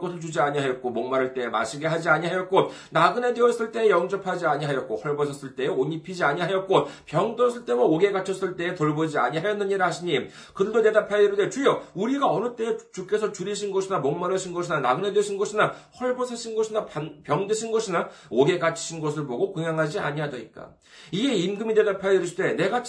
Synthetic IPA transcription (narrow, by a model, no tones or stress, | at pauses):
kʌsʰɯɭt͡ɕud͡ʑiaɲiɦajʌt̚k͈omʌŋmaɾɯɭt͈e̞ema̰ɕʰiɡe̞ɦad͡ʑiaɲiɦajʌt̚k͈o | naɡɯne̞deʌs͈ɯɭt͈e̞ːjʌŋd͡ʑʌpʰad͡ʑiaɲiɦajʌt̚k͈ohʌɭbʌsʰʌs͈ɯɭt͈e̞eoɲipʰid͡ʑiaɲiɦajʌt̚k͈opjʌŋdʌs͈ɯɭt͈e̞mʌoɡe̞ɡat͡ɕʰʌs͈ɯɭt͈e̞ːtoɭbod͡ʑiaɲiɦajʌnːɯɲiɾɯɦaɕʰiɲi | kɯɯdone̞ɡapʰaiɾɯdet͡ɕujʌuɾiɡaʌnɯt͈e̞ːt͡ɕuk͈e̞sʰʌt͡ɕuɾiɕʰinɡʌɕʰinamoŋmaɾɯɕʰinɡʌɕʰinanaɡɯne̞dweɕʰinɡʌɕʰinahʌɭbʌsʰʌɕʰinɡʌɕʰinaanpjʌŋdɯɕʰinɡʌɕʰina | oɡe̞ɡat͡ɕʰi̥ɕʰinɡʌs̬ʰɯɭboɡokɯŋjaŋɦad͡ʑia̰ɲiɦadʌɲḭt̚k͈a̰ | iɡe̞imɡɯmide̞dapʰajiɾɯɕte̞ne̞ɡa